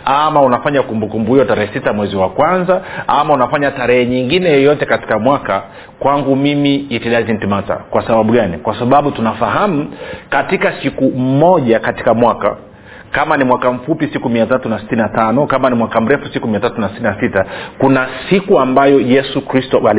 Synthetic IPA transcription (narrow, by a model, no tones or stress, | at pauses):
amaunafaɲakumbukumbuiɔtaɾɛhɛsitamwɛziwakwanzaamaunafaɲataɾɛhɛɲiŋɡinɛjɔjɔtɛkati̥kamwaka | kwaŋɡumimiːtiɗazin̩timata̰kwasaɓaɓuɠanikwasaɓaɓutunafaɦam̩katikasikumɔʄakati̥kamwaka̰ | kamanimwakam̩fupisikumiatatunasi̥tininatanɔkamanimwakam̩ɾɛfusikumiatatunasi̥tininasitakunasikuambajɔjɛsukɾistɔal